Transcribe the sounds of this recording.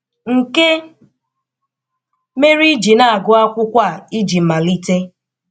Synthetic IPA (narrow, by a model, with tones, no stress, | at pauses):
ŋ̩˨ke˦ | me˦ɾi˦d͡ʒi˨na˦a˨ɡʊ˦a˦kʷʊ˦kʷa˦˨i˦d͡ʒi˨m̩˨ma˨li˦te˦